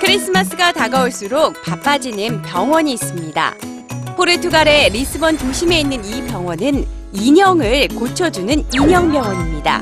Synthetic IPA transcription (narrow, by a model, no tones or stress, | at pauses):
kʰɯɾis͈ɯmas͈ʰɯɡataɡauɭs͈uɾok̚pap͈ad͡ʑinɯnpjʌŋwʌɲiːs͈ɯmɲida̰ | pʰoɾetʰuɡaɾe̞ɾis͈ʰɯbʌntoɕʰime̞inːɯnipjʌŋwʌnɯn | iɲʌŋɯɭkot͡ɕʰʌd͡ʑunɯniɲʌŋbjʌŋwʌɲimɲida̰